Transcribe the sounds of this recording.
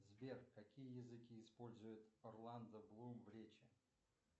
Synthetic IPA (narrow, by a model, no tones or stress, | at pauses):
zbʲerkɐkʲijəjɪzɨkʲiːspo̞lʲzʊjʊt̪ɐrlˠand̪əblˠumvɾʲet͡ɕɪ